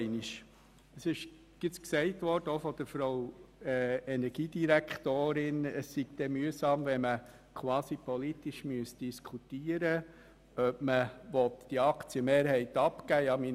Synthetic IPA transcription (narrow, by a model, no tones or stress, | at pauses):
ɪniʃ | əsɪʃ | ɡ̥ɪt͡sksɛɪtʋɔrd̥əɔfɔd̥̪əɾfɾow | ɛnɛɾɡ̥iːd̥iɾækχt̪oːɾɪnəsːiɡ̥d̥̪ɛmyəsɑːmvɛmə | kʰwɑːsipɔlitiʃmyəsd̥iskʰutiːəɾə | œpməʋɔt̪d̥iɑkt͡siəmeːɾhɛɪt̪ɑpkæːjɑmi